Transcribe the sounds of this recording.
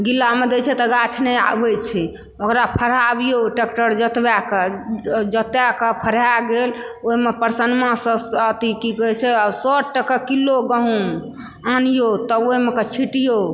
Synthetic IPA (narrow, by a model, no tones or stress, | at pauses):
ɡilːamed̪et͡ʃʰɛt̪ɔɡat͡ʃʰnɛa̰bet͡ʃʰɛ | okɾapʰəɾabijoʈekʈəɾd͡ʒət̪baked͡ʒət̪jakepʰəɾaɡeloimepəɾsənmãsə̃sət̪ikikəɦt͡ʃʰɛasɔʈʈəkəkilːoɡəɦũ | anijot̪ɔoɦimekət͡ʃʰiʈijo